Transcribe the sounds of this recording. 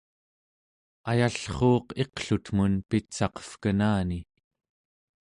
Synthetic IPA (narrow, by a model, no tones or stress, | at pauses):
ajaɬχo̞ːqe̞qɬut̪munpit̪sɑqʌ̥fkənaːni